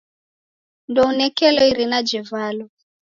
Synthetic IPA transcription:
ndɔunɛkɛlɔiɾinad͡ʒɛvalɔ

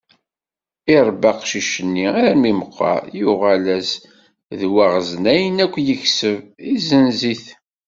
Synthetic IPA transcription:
iɾˤbɑqʃiʃənːiæɾmiməqːɑ̰jʊʁælæs | ðwaʁəznæjənækʷːjəçsəvizənziθ

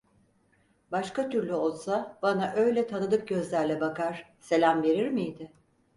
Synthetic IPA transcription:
baʃkat̪ʰyɾlʲyo̞lˠsabanaʔø̞jlʲɛt̪ʰanɯd̪ɯp̚ɟø̞zlʲæɾlʲɛbakaɾ̥ | se̞lʲæmve̞ɾiɾmijd̪ɪ

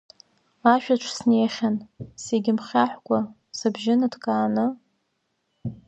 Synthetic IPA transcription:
aʃᶣaʈ͡ʂʷʰsnejχʲanseɡʲɪmχʲaħʷkʷʼa | sabʒɪnadkʼaːnɨ

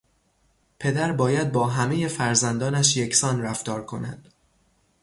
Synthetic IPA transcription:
pʰe̞d̪æɾbɒːjæd̪̚bɒːɦæmeje̞fæɾzænd̪ɒːnæʃje̞cʰsɒːnræft̪ɒːɾkʰo̞̰næ̰d̪̥

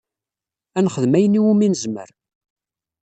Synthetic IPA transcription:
ænχəðmæjənːiwuminəzmə̰ɾ

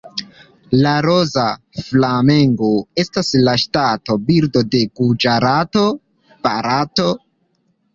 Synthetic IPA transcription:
laɾoza | flame̞ŋɡoe̞staslaʃtato̞biɾdo̞de̞ɡud͡ʒaɾato̞ | paɾato̞

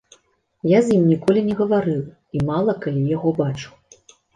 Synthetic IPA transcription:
jazʲjimnʲikɔlʲinʲɛɣɐvaɾɨw | imalˠɐkalʲijaɣɔbat͡ʂu̥

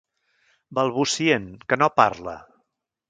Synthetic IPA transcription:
bəlˠβusienkənopa̰ɾlə̰

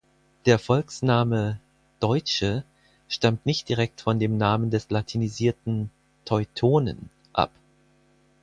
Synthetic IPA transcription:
d̥eːɐfɔlksnaːmə | d̥ɔʏt͡ʃə | ʃtamtnɪçt̚d̥iʁɛk̚tfɔndeːmnaːməndɛslatʰiniziːɐtn̩ | tʰɔʏtʰoːnə̰n | ʔa̰p

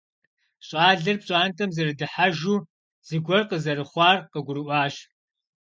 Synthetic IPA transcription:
ɕʼaːɮɨrpɕʼaːntʰɐmzɨrɨdɨħaʒuː | z̥ɨɡʷɔrqəzɐrɨχʷɑːrqəɡʷʊɾɨʔʷɑːɕ

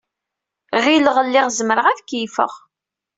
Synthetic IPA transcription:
ʁiləʁəlːɪʁzəmɾəʁæθkːjfə̰ʁ

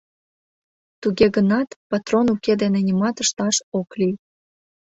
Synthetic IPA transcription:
t̪uɣeɣənɑt̪pɑt̪ronuked̪enenʲimɑt̪əʃt̪ɑʃokli

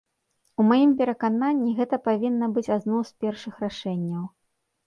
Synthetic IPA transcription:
umajimpʲɛɾɐkananʲːiɣɛt̪ɐpavʲinːɐbɨt͡sʲad̪nɔwspʲɛrʂɨxɾaʂɛnʲːɐw

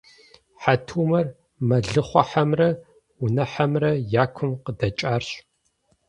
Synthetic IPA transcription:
ħatʰuːmɐr | mɐɮɨχʷɔħamrɐ | ʊnɐħɐmrɐjaːkʷʰʊmqədɐt͡ʃʼaːrɕ

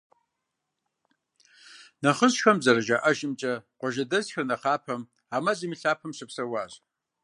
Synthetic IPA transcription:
nɐχəɕxɐmzɐrɐʒaʔɐʒɪmt͡ʃʼɐqʷɔʒɐdɐzxɐrnɐχaːpʰɐm | aːmɐzimiɬaːpʰɐmɕɨpsɐwaːʑ

